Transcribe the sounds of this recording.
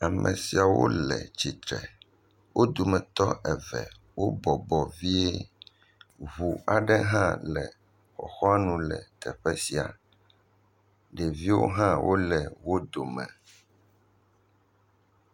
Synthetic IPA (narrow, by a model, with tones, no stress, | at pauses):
a˨mʔɛ̃˨si˨a˨wo̰˦lɛ̰˨t͡ɕi˨t̪ɾɛ˨ | wʔo˦d̪o˨mɛ̃˨t̪ɔ˦ʔɛ˨vɛ̰˨ | wʔo˦bɔ˨bɔ˨vi˦e˦ | βu˨a˨ɖɛ˦ɦã˦lɛ˨ | xɔ̰˨xɔ˦a˦nũ˨lɛ˨t̪ɛ˨ɸɛ˦si˨a̰˨ | ɖe˨vi˦wo̰˦ɦã˦wʔo˦lɛ˨wo˦d̪o˨mɛ̃˨